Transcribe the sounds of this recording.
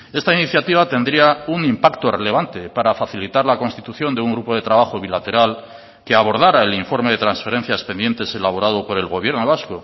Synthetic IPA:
e̞st̪ainiθjat̪iβat̪e̞nd̪ɾiaunimpakt̪o̞re̞le̞β̞ant̪e̞paɾafaθilit̪aɾlako̞nst̪i̥t̪uθjo̞nd̪euŋɡɾupo̞ðe̞t̪ɾaβaxo̞βilat̪e̞ɾal | ke̞aβo̞ɾð̞aɾae̞liɱfo̞ɾme̞ðe̞t̪ɾansfe̞ɾẽ̞n̟θjaspe̞nd̪je̞nt̪e̞se̞laβ̞o̞ɾaðo̞po̞ɾe̞lɣo̞βje̞ɾno̞β̞asko

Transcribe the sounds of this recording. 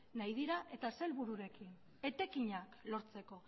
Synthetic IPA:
najðiɾaʔe̞t̪ase̞lβuɾuɾe̞kin | e̞t̪e̞kiɲaklo̞ɾt͡se̞ko̞

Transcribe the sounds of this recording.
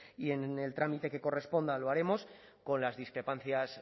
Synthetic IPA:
ie̞ne̞lt̪ɾamit̪e̞ke̞ko̞re̞spo̞nd̪aloaɾe̞mo̞s | ko̞nlazðiskɾe̞pan̟θjas

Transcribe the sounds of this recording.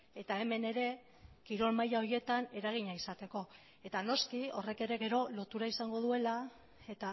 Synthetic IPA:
e̞t̪ae̞me̞ne̞ɾe̞ | kiɾo̞lmajao̞ɾje̞t̪ane̞ɾaɣ̞iɲaisat̪e̞ko̞ | e̞t̪ano̞skio̞re̞ke̞ɾe̞ɣe̞ɾo̞lo̞t̪uɾaisaŋɡo̞ð̞ue̞la | e̞t̪a

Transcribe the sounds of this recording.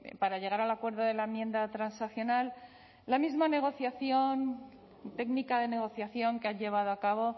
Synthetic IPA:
paɾaʝe̞ɣ̞aɾalakwe̞ɾðoðe̞laemjẽ̞nd̪at̪ɾansaθjo̞nalː | amizmane̞ɣ̞o̞θjaθjo̞n | t̪e̞ɡnikaðe̞ne̞ɣ̞o̞θjaθjo̞ŋkaɲʎe̞β̞aðoakaβo̞

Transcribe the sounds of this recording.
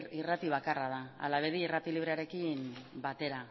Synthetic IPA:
irat̪iβ̞akarað̞aa̰laβeðiirat̪iliβ̞ɾeaɾe̞kimbat̪e̞ɾa

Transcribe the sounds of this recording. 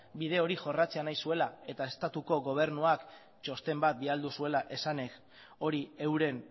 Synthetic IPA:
bið̞e̞o̞ɾiʝo̞rat͡se̞anajsue̞lae̞t̪ae̞st̪at̪uko̞ɣo̞β̞e̞ɾnuak | t͡ʃo̞st̪e̞mbat̪̚biald̪usue̞laʔe̞sane̞k | o̞ɾie̞wɾe̞n

